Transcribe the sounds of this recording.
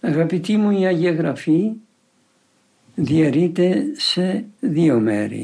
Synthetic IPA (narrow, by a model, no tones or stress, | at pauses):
ɐɣɐpit̪imuiɐʝɐɣɾɐfi | ðiɐɾit̪e̞se̞ðiomḛɾḭ